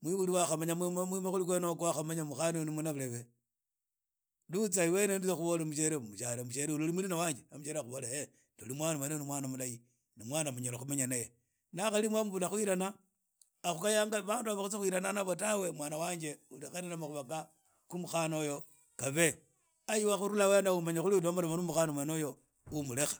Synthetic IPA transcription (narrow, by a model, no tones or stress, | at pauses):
mwiβuliwaxamaɲammamimaxulikwenokaxamaɲamuxanenimwonaβuleβe | lut͡saiwenendilexuβolemuʃ̬eɾemuʃalemuʃeɾeulolimulinawaːɲd͡ʒeamuʃeɾeaxuβolae | tolimwanawanenimwaːnamulaji | nimwaːnamuɲelaxumeɲanaje | naxalimwamuβulaxwiɾanaː | xukajaːŋɡaβaːnduβaβaxut͡sexwiɾananaβotawe̞mwaːnawaːɲd͡ʒe̞ulixananamaxuβaka | kumuxanojo̞ | kaβe̞ | ajiwaxuɾulawenaumaɲaxuliulomolemanumuxanomanojo̞ | umule̞xḁ